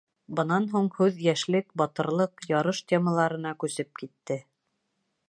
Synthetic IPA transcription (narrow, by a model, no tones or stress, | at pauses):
bɤ̆nɑnɦuɴhʉðjæʃlɘkbɑt̪ɤ̆ɾlˠɤqjɑɾɤʃt̪ʲeməlˠɑɾɤ̆n̪ɑkʉsɘp̚kit̪ːɘ